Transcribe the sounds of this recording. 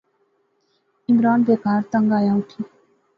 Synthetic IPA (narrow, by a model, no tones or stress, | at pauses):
ɪmɾaːnbeːkaːɾt̪əŋɡaːjaːuʈʰiː